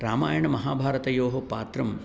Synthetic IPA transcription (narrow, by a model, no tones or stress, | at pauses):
ɾaːmaːjɐɳɐmɐɦaːbʱaːɾɐt̪ɐjoːɦɐpaːt̪ɾɐm